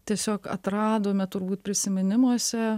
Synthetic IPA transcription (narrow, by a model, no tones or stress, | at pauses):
t̪ʲiɛsʲoːkɐ̰t̪ɾɑːd̪oːmʲɛt̪ʊɾbuːt̪̚pʲɾʲɪsʲɪmʲɪnʲɪmuɔsʲɛ